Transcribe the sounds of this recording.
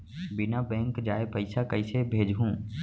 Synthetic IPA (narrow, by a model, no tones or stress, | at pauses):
bɪnabɛ̃ːŋkd͡ʒaːepəɪsakəɪsebʱeːd͡ʒɦũː